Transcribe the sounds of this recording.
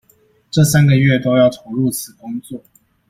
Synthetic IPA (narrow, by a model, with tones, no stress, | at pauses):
ʈ͡ʂɤ˥˩sa˥nɡə˨ɥɛ˥˩t̪o˥ʊjɑ˥˩ʊt̪ʰo˨˩ɻu˥˧t͡sʰɹ̩˨˩kʊ˥ŋt͡swɔ˥˩